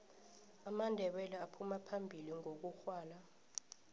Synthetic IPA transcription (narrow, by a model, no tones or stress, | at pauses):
amandʱɛɓɛlɛapʰumapʰambʱiliŋok̬uxwaːla